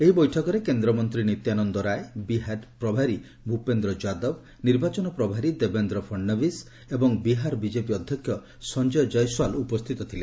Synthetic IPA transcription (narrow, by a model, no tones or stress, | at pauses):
eɦibɔjʈʰɔkɔɾekend̪ɾɔmɔnt̪ɾinit̪janɔnd̪ɔɾaebiɦapɾɔbʱaɾi | bʱupend̪ɾɔd͡ʒad̪ɔb | niɾbat͡ʃɔnɔpɾɔbʱaɾid̪ebend̪ɾɔpʰɔɳɖɔbis | ebɔŋbiɦaɾbid͡ʒepiɔd̪ʱjɔkʰːjɔ | sɔnd͡ʒɔjɔd͡ʒɔjswalupɔst̪ʰit̪ɔt̪ʰile